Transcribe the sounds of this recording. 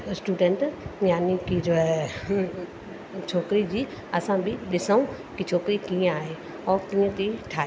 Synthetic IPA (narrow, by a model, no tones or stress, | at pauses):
sʈuːɖeɳʈjaːnikid͡ʒoɛ | t͡ʃʰoːkɾid͡ʑiː | ɐsãbʱɪɗɪsəũ | kit͡ʃʰoːkɾikĩaːɦe | ɔːɾkĩːẽt̪iʈʰaːe